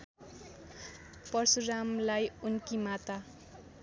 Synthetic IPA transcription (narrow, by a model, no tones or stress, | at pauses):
pʌrsuramlajunkimat̪a